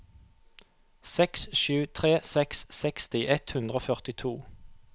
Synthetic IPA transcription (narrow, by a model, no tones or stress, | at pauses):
sɛksʃʉːt̪ʰʁeːsɛkssɛkst̪ɪʔɛt̪hʉnd̪ʁoːfœʁt̪ɪt̪ʰuː